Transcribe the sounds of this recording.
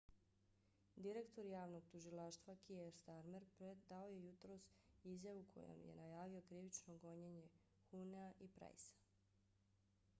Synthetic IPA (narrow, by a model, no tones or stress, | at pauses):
d̪iɾe̞kt̪o̞ɾjaːʋno̞ɡ̚t̪uʒilaːʃt̪ʋakieɾst̪aɾme̞ɾpɾed̪ao̞je̞jut̪ɾo̞sizjaʋukʰo̞̰jo̰mjḛnajaːʋio̞kɾiʋit͡ʃno̞ɡo̞ɲeɲe̞ | xuneaʔipɾa̰jsḁ